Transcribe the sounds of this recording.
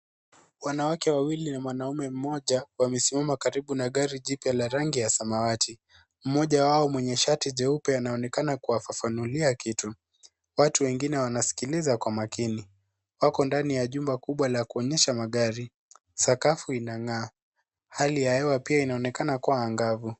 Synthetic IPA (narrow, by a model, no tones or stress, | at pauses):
wanawakɛwawilinamwanaumɛm̩mɔʄawamɛsimamakaɾiɓunaɠaɾiʄipjalaɾaŋɡijasamawatʰi | m̩mɔʄawaɔmwɛɲɛʃatiʄɛupɛanaɔnɛkanakuwafafanuliakitu | watuwɛŋɡinɛwanasi̥kilizakwamakini | wakɔndanijaʄumbakuɓwalakuɔɲɛʃamaɠaɾi | sakafuinaŋaː | halijahɛwapiainaɔnɛkanakuwaːŋɡavu